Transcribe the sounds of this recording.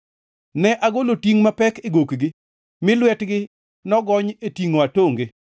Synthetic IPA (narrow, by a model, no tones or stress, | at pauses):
nɛʔaɡolotiŋmapɛkeɡokɡɪ | mɪlwɛtɡɪ | nɔɡɔɲetiŋoatoŋɡɪ